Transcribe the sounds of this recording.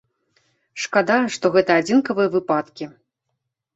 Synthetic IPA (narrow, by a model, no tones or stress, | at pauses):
ʂkad̪ajɐʂt̪ɔɣɛt̪ɐad͡zʲinkɐvɨjɐvɨpat̪kʲi